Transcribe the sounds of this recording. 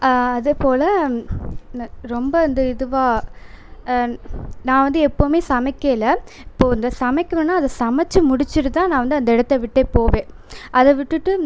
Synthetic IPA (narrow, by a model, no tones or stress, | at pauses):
ɐðepoːlɐ | ɾɔmbɐɐnd̪ɯɪðɯʋaː | nãːʋɐnd̪ɯɛpːoːmeːsɐmɐɪkːɐɪlːɐ | ɪpːoːɪnd̪ɐsɐmɐɪkːɐʋɛnːaːɐðɐsɐmɐt͡ʃːɯmʊɽɪt͡ʃːɯɾɯt̪ãːnãːʋɐnd̪ɯɐnd̪ɐɛɽɐt̪ːɐʋɪʈːeːpoːʋẽː | ʔɐðɛʋɪʈːɯʈːɯ